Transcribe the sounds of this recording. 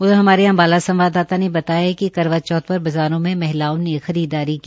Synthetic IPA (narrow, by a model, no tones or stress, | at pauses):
ʊd̪ɦɐmaːɾeɐ̃mbaːlasɐ̃mʋaːd̪aːt̪anebɐt̪aːjaɦɛkikɐɾʋat̪̚t͡ʃɔːt̪̚pɐɾbɐzaːɾõmẽmɛɦlaːonexɐɾiːd̪aːɾiki